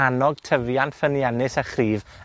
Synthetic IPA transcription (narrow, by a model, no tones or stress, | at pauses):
anɔɡ̥̚tʰəvjanfənjɛnɨsəχriːv